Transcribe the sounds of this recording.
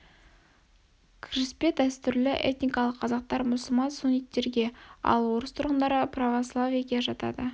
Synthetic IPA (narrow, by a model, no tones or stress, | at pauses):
kʲʰriɪspet̪æst̪ʏɾlɪʔe̞̰t̪nijkɑlˠəqʰːɑzɑq̚t̪ɑɾmʊsəlˠmɑnsʊnʲit̪ːe̞ɾɡʲe̞ɑ̰lˠwo̞ɾəst̪ʰʊɾʁənd̪ɑɾəpʰravoslˠavijaɡʲeʒɑt̪ɑ̰d̪ə